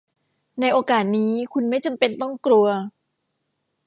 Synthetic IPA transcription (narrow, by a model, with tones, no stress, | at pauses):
na˧jʔoː˧kaː˨˩t̪̚niː˦˥kʰu˧nma˥˩jt͡ɕa˧mpe˧nt̪ɔ˥˩ŋkɾu˧ɐ